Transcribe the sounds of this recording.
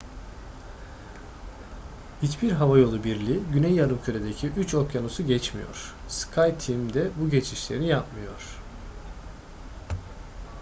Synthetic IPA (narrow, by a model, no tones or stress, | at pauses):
hit͡ʃbiɾɦavajo̞lˠubiɾlʲiɟynɛjːaɾɯmcʰøɾed̪ecʰiʔyt͡ʃo̞kjanusuɟɛt͡ʃmḭjo̞̰ɾ̥ | skʰajt̪ʰːimd̪ɛbuɟe̞t͡ʃʰiʃlʲe̞ɾinijapmɯjo̞ɾ̥